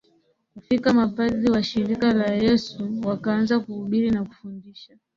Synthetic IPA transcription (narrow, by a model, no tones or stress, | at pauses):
kufikamapaðiwaʃiɾikalajɛsuwakaanzakuhuɓiɾinaku̥fundiʃa